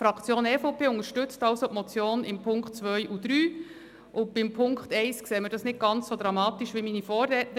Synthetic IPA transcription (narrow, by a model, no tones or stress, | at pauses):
fɾɑkt͡sjoːnɛfopʰeːʊŋəɾʃtʏt͡stɑlsopmɔt͡sjoːnɪmpʰʊŋkχt̚t͡sʋœʏjʔud̥̪ɾyː | ʔʊb̥ɪmpʰʊŋkχtɛɪskseːməɾd̥ɑsnɪt̚ɡ̥ɑnt͡ssod̪ɾɑmɑːt̪iʃʋiminifɔːɾdɛtə